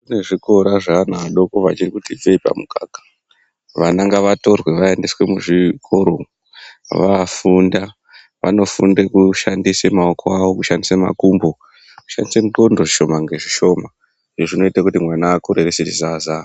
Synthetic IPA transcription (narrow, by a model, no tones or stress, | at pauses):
kune̞ʐiko̞ɾaʐanaɗo̞koʋat͡ʃirikutib͡veipa̰muka̰kḁ | ʋanaŋɡaʋato̞rwe̞ʋae̞ndeswe̞muʐikʰo̞ɾo̞ | ʋafunda | ʋa̰no̞fṵndekuʃandisemaokʰoaʋokuʃandisema̰kumbo̞ | ku̥ʃandisemuǃondoʐiʃo̞maŋɡe̞ʐiʃo̞ma | eʐino̞itakutimwanaːkuɾereset͡ʃizaza